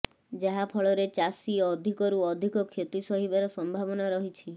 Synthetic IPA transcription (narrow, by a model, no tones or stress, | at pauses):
d͡ʒaɦapʰɔɭɔɾet͡ʃasiɔd̪ʱikɔɾuɔd̪ʱikɔkʰjet̪usɔɦibaɾɔsɔmbʱabɔnaɾɔɦit͡ʃʰi